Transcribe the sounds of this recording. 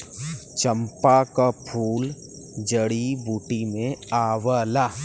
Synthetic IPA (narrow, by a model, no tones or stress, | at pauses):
t͡ʃə̃mpakapʰuːl | d͡ʒəɽibuːʈimẽaːwalaː